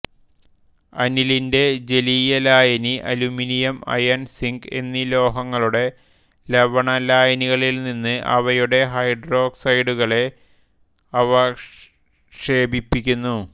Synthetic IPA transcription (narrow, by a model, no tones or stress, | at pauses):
ɐ̰nilinde̞d͡ʑe̞liːjɐlaːjɐniʔɐluminijɐmɐ̰jɐnsiŋɡe̞̰nːilo̞ːɦɐŋːɐɭuɽe̞ | lɐʋɐɳɐlaːjɐniɣɐɭilninːɨʔɐ̰ʋɐjuɽe̞ɦɐjɖro̞ːksɐjɽuɣɐɭe̞ | ɐʋɐ | ʂe̞ːbipːikʲːunːu